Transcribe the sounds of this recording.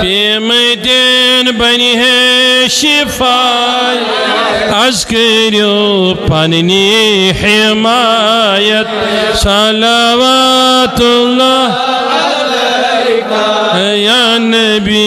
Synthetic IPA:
pemɐjd̪enbɐniɦeʃifa | j | ɐzkɐɾjopanniħemajɐt̪̚ | salaʋat̪ulːa | ja | nɐ | bi

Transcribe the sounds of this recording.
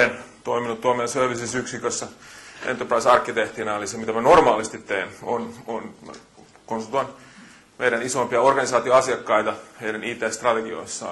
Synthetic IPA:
ent̪oiminut̪t̪uoɑmesøʋisisyksikøsːɑḛnt̪ːorprɑisɑrkːit̪eht̪inɑolisemit̪æmænormɑːlist̪it̪teːnono̰n | konst̪oɑn | mejɾænisompiɑorɡ̥ɑnisɑːt̪ioɑsiɑkːɑit̪ɑheiɾæniːt̪eːst̪rɑt̪eɡio̰sːɑ̰

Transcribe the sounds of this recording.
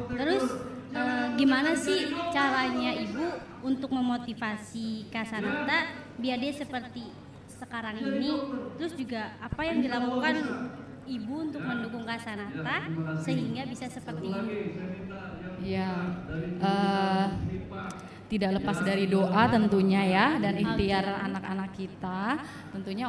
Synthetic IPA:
t̪əɾʊsəːɡimanasɪht͡ʃaɾaɲaibu | unt̪ʊk̚məmot̪ifasikasanat̪abiardɛasəpərt̪i | səkaɾaŋinit̪əɾʊsd͡ʒuɡaːpajaŋdilakukan | ibuunt̪ʊk̚məndukʊŋkasanat̪asəɦiŋɡabisasəpərt̪iːn | ja | ʔəː | t̪idaʔləpasdaɾidoʔat̪ənt̪uɲajadanist̪iara̰nakanakːit̪a | t̪ənt̪uɲa

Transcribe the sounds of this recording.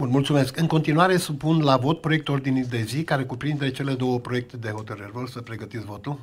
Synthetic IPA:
bunmult̪sume̞skɨŋko̞nt̪inuaɾe̞supunlavo̞t̪̚pɾo̞jekt̪uo̞rd̪inijd̪e̞zikaɾe̞kupɾind̪et͡ʃe̞le̞d̪o̞wəpɾo̞je̞k̚t̪ed̪e̞ɦo̞t̪əɾɨrvorsəpɾeɡət̪it̪svo̞t̪ul

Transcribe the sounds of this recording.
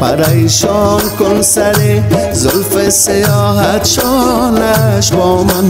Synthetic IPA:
pa̰ɾajʃɔnkʊnsaɾe | zʊlfesɪjɔɦat̪ʃɔnaʃbɔman

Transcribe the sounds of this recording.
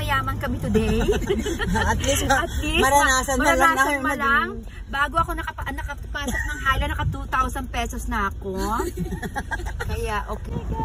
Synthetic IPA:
mɐjaːmɐnkɐmit̪ʊd̪ɛj | ɐt̪lisɐt̪lismɐɾɐnaːsɐnmɐɐlaːɐmɐlaŋ | baːɡoʔɐko̞nɐkɐɐnɐkɐpɐsɐkmɐŋhajlɐnɐkɐt̪uːt̪awsɐnpɛːsosnɐʔɐko | kɐjaʔoːkɛ

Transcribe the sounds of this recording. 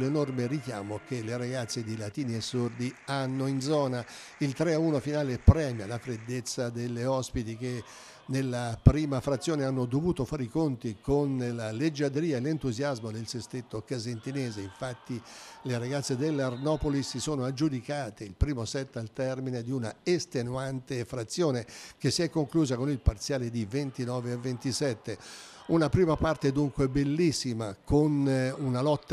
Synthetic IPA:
lenormerikja̰ːmok̟elːeɾaɡat̪sːed̪ilat̪iːniesːord̪ianːoind̪zɔːna | ilt̪ɾeauːnofinaːlepɾɛːmjalafɾed̪ːet̪sːad̪elːeɔspit̪ik̟e | nːelːapɾiːmafɾat̪sːjoːneanːod̪ovuːt̪ofaːɾikont̪ikonelaled͡ʒːad̪ɾiːaelːent̪uzjazmod̪elsest̪et̪ːokazent̪ineːzeiɱfat̪ːileɾaɡat̪sːed̪elːarnɔːpolisːisoːnoad͡ʒːud̪ikaːt̪eilpɾiːmosɛt̪ːalt̪ɛrmined̪iunaest̪enuant̪efɾat̪sːjoːnek̟esːiɛkːoŋkluːzakonilpart̪sjaːled̪ivent̪inɔːveavːent̪isɛt̪ːe | unapɾiːmapart̪ed̪uŋkwebelːisːimakʰonunalɔt̪ː

